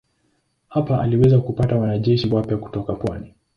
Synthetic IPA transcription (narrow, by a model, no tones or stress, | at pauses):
hapaʔa̰liwɛzakupatawanaʄɛʃiwapjaku̥tɔkapwani